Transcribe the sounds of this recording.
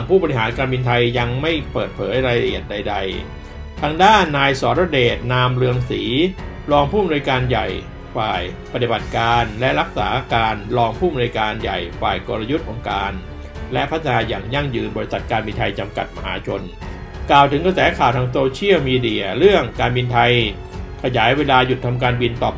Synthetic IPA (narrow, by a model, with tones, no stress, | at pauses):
ŋpʰuː˥˩bɔː˧ɾi˧ɦaː˩˦nkaː˧nbiː˧nt̪ʰa˧jːa˧ŋma˥˩jpɤː˨˩t̪̚pʰɤː˩˦jɾaː˧jɾa˧ʔi˨˩ət̪̚da˧jda˧j | t̪ʰaː˧ŋdaː˥˩nːaː˧jsɔː˨˦nɾɔː˧˥˩deː˨˩t̪̚naː˧mɾɯ˧əŋsiː˩˦ | ɾɔː˧ŋpʰuː˥˩m˧nu˧jkaː˧nja̰˨˩j | faː˨˩jpa˧t̪i˨˩ba˨˩t̪̚kaː˧nlɛ˦˥ʔɾa˦˥k̚sa̰ː˩˦kaː˧nɾɔː˧ŋpʰuː˥˩ma˧nuː˧jkaː˧nja̰˨˩jfaː˨˩jkoː˧ɾa˧ju˦˥t̪̚ʔo˧ŋkaː˧n | lɛ˦˥ʔpʰt̪ʰːa˧naː˧jaː˨˩ŋja˥˩ŋjɯː˧nbɔː˧ɾi˧˥sa˨˩t̪̚kaː˧nbi˧nt̪ʰa˧jt͡ɕa˧mka˨˩t̪̚ma˧ɦa̰ː˩˦t͡ɕʰo˧n | klaː˨˩wt̪ʰɯ˩˦ŋka˧sɛː˩˦kʰaː˨˩wt̪ʰaː˧ŋsoː˧t͡ɕʰi˥˩əwmiː˧di˧˩ɐɾɯ˥˩əŋkaː˧nbi˧nt̪ʰa˧j | kʰa˧jaː˩˦jweː˧laː˧ju˨˩t̪ʰːa˧mk̬aː˧nbi˧nt̪ɔː˨˩p̚